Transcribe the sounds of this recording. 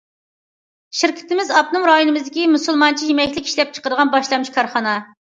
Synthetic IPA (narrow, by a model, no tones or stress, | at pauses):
ʃiɾkʲʰɪ̥t̪ɪmɪzɑp̚nɨŋɾɑjunɨmɨzd̪ɪkʲimusɨlˠmɑnt͡ʃʰijemɛkʲlɪkʲi̥ʃlɛp̚t͡ʃʰə̥qəɾd̪əʁɑnbɑʃlˠɑnuʃkʰɑɾχɑnɑ